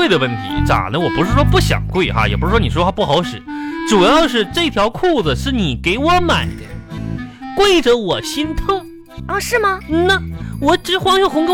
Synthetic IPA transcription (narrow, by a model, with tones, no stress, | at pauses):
e˥˩ɪd̪ə˩wə˥˩nt̪ʰḭ˧˥ʈ͡ʂa̰˨˩d̪ə˦wɔ˨˩pu˧˥ʂɻ̩˥˩ʂwɔ˥pu˥˩ɕjɑ̰˨˩ŋkwe˥˩ɪxa̰˧jɛ̰˨˩pu˥ʂɻ̩˥˩ʂwɔ˥ni˨˩wɔ˥xa˥pu˥˩xɑ˧˥ʊʂɻ̩˨˩˦ʈ͡ʂu˨˩jɑ˥˧ʊʂɻ̩˥˧ʈ͡ʂɤ˥˩t̪ʰjɑ˧˥ʊkʰu˥˩d͡zə˨˩ʂɻ̩˥˩ni˨˩ke˧˥ɪwɔ˧˥ma˨˩ɪd̪ə˦ | kwe˥˩ɪʈ͡ʂə˩wɔ˨˩ɕi˥nt̪ʰʊ˥ŋ | ɐ˥˧ʂɻ̩˥˩mɐ˩n̩˧˩na˥˩wɔ˨˧˥ʈ͡ʂɻ̩˧˥xwɑ˥ŋɕɤ˥˩xʊ˧˥ŋko˥